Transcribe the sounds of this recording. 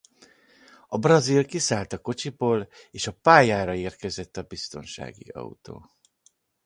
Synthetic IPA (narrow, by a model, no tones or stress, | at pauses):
ɒbrɒzilkisaːlt̪ɒko̞t͡ʃiboːleːʃɒpaːjaːɾɒeːrkɛzɛt̪ːɒbist̪o̞nʃa̰ːɡḭɒ̰ut̪o̰ː